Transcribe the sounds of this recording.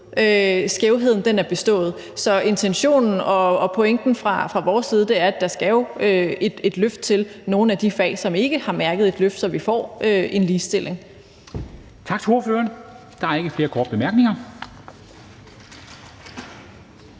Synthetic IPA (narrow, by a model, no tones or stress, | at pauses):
øsɡ̥eʊɦe̝ð̰ˠn̩d̥enæɐb̥e̝sd̥ɔ̰̽ːð̩ˠ | sɒ̽e̝nt͡sʰenɕo̝̰ːnn̩ɒ̽ɒ̽pʰoeŋ̰d̥n̩fʁɑ̈fʁɑ̈ʋɒːsːiːð̞ˠd̥e̝æɐæd̥æ̈sɡ̥ɛʊøed̥e̝d̥løfd̥t͡sʰe̝lno̝ːn̩æd̥ifɛ̰ːsɒ̽me̝ɡ̥əhɑ̈mæɐɡ̥əð̞̩ˠe̝d̥løfd̥sɒ̽ʋifɒ̰ːʔøʔe̝nliːsd̥e̝lʔe̝ŋ | t͡sʰɑ̈ɡ̥t͡sʰoɐføːɐn | d̥ɑ̈æɐe̝ɡ̥əfle̝ːɐkʰɒːd̥̚b̥emæɐɡ̥ne̝ŋɐ